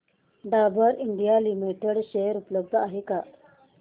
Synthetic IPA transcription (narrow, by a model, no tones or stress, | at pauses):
ɖabəɾiɳɖijalimiʈeɽɕejəɾupləb̚d̪ʱəaɦeka